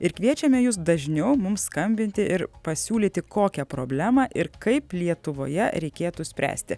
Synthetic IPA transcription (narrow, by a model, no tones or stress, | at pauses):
ɪɾkʋʲiɛt͡ʃʲɛmʲɛjʊs̬d̪ɐʒʲnʲɛʊmʊmsskɐmʲbʲɪnʲt̪ʲɪʔɪɾpɐsʲuːlʲiːt̪ʲɪkoːkʲɛpɾo̰ːbʲlʲæːmɑʔɪɾkɐɪplʲiɛt̪ʊʋo̰ːjɛɾʲɛɪkʲeːt̪usʲpʲɾʲæ̰ːsʲt̪ʲɪ